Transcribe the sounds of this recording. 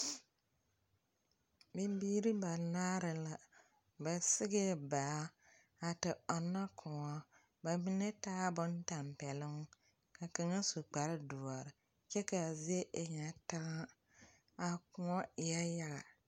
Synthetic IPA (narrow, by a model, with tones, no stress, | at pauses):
be˦biː˦ɾi˦ba˨naː˦ɾɪ˨la˨ | bɛ˨sɪ˦ɣɪ˦˨baː˨˦ | a˨tɪ˨ɔ˨nːa˦kʰʊ̃˨ŋɔ˦ | ba˨mi˦nɛ˦taː˦bʊ˦nta˨mpɛ˨lɪ˦ŋ˦ | ka˨ka˨ŋa˦su˨k͡pa˨ɾɪ˦dʊ˨ɔ˨ɾɪ˨ | t͡ʃɛ˦ka˨zɪ˦e˦ʔɪ˨ɲa˨ta˦ŋa˦ | a˨kʊ˨ŋɔ˦ɪ˨ja˦ja˦ɣa̰˨